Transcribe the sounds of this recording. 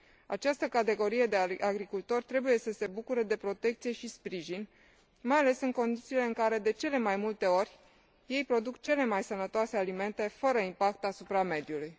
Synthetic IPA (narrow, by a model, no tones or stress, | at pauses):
at͡ʃast̪əkat̪e̞ɡo̞ɾije̞d̪e̞aɡɾikult̪o̞rʲt̪ɾe̞buje̞səse̞bukuɾəd̪e̞pɾo̞t̪e̞k̚t̪sije̞ʃispɾiʒin | majale̞sɨŋko̞nd̪it̪sile̞ɨŋkaɾe̞d̪e̞t͡ʃe̞le̞majmult̪e̞o̞rʲ | je̞jpɾo̞d̪ukt͡ʃe̞le̞majsənət̪oase̞alime̞nt̪e̞fəɾəimpak̚t̪asupɾame̞d̪juluj